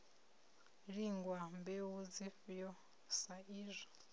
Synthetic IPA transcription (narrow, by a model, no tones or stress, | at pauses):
ɺiŋɡwambewud͡zifjɔ | saiːzʷɔ̥